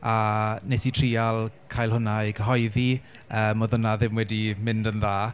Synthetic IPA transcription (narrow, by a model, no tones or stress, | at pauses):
anesitʰriːalˠkʰajlˠɦʊnajkʰəɦɔjði | əːmoðʊnaðɪmwɛdimɪndənðaː